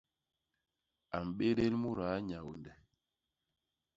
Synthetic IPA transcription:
a˨m̩˨ɓe˦ɾe˦lmu˦˨ɾa˨˦ɲa˨wu˨ndɛ˨

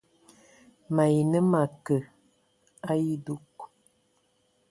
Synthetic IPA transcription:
ma˨ji˨nə˦ma˨kə˨ | a˦ji˦du˦k

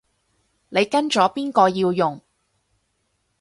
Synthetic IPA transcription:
ne˨˧jkɐ˥nt͡ʃɔː˨˥piː˥nkɔː˧jiː˧wjʊ˨ŋ

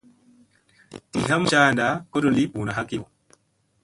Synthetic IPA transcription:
tḭ˨ɦa˦mʃa˦˨nda˨˦ko˦ɗo˦˨li˦ɓu˨na˨ɦa˦ki˦o˨

